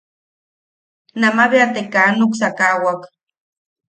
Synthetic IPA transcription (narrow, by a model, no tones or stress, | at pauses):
namaβeat̪ekanuksakawak